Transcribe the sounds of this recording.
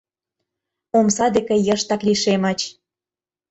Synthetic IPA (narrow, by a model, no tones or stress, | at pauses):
omsɑd̪ekə̆jə̆ʃt̪ɑkliʃemɑt͡ɕ